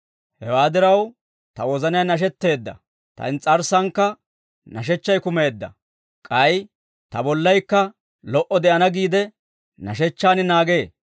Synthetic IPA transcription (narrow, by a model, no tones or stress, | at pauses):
hɛwaːd̪ɪɾɐw | t̪ɐwɔzɐnɪjanɐʃ̬ɛt̪ːe̞ːd̪ːɐ̰ | t̪ɐ̰nt͡sʼɐɾsɐŋkːɐ | nɐʃ̬ɛt͡ʃːɐjkʊme̞ːd̪ːɐ̰ | kʼɐj | t̪ɐbɔlːɐjkːɐ | lɔʔɔd̪ɛʔɐnɐɡiːd̪ɛ | nɐ̰ʃɛt͡ʃːaːnɪnaːɡe̞ː